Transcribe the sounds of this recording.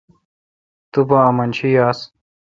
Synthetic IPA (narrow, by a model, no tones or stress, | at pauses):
t̪ubɐɐmɐnt͡ɕʰijaːs